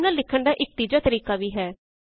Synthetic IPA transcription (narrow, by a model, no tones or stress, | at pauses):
naːlɪkʰːəɳɖaːʔɪk̚t̪iːd͡ʒaːt̪əɾiːkaːʋiːɦɛː